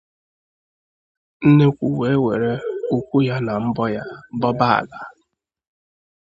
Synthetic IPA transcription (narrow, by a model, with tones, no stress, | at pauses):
n̩˦ne˦kʷu˨we˨˦we˨ɾe˦u˦kʷu˦ja˦na˨m̩˦bɔ˦ja˦bɔ˦ba˦a̰˨la˦